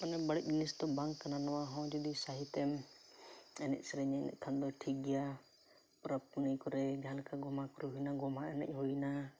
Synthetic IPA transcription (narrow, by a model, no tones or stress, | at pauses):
ɔnɛbəɽɛʔ̚lisd̪ɔbaŋkːananɔwaɦɔ̃d͡ʒɔd̪isaɦit̪ɛm | ɛnɛ̰ʔ̚sɛɾɛɲɛnɛ̰ʔ̚kʰand̪ɔʈʰiɡja | pɾəpunəjkɔɾɛd͡ʒãlɛkaɡɔmakɔɾɛɦujnaɡɔmaɛnɛ̰ʔ̚ɦujna